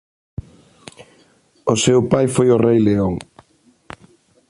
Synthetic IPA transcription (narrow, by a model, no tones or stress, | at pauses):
osewpajfojorejleoŋ